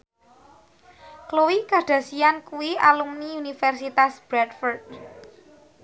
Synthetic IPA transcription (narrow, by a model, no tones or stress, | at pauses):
klowikaɖ̥a̤sijankuwialumniunifɛrsit̪asb̥ɾɛdfɔrt̪̚